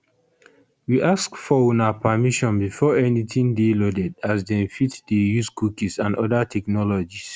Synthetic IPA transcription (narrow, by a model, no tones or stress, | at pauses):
wiʔaskfɔwunapʰamiʃɔ̃nbifɔɛnitʰĩŋdelodɛdazdɛ̃nfitdejuskukisãndɔdatʰɛknɔlɔd͡ʒis